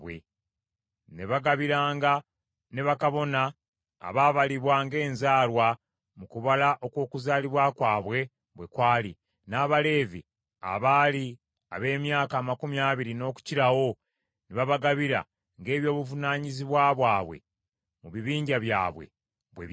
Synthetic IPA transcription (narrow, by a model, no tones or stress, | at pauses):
wḛ | neβaɡaβiɾaːŋɡa | ne̞βakaβo̞na̰ː | βaːβaliβwaːŋɡe̞ːnzaːlwa | mukuβalaʔo̞kwo̞ːkuzaːliβwaːkwaːβwe̞ | βwe̞kwaːlḭ | naːβale̞ːvi | a̰βaːli | a̰βe̞ːmjaːkaːmakumjaːβiɾino̞ːku̥ciɾawo̞ | neβaβaɡaβiɾa̰ | ŋɡe̞ːβjo̞ːβuvunaːɲiziβwaːβwaːβwe̞̰ | muβiβiːɲɟaβja̰ːβwe̞̰ | βwḛ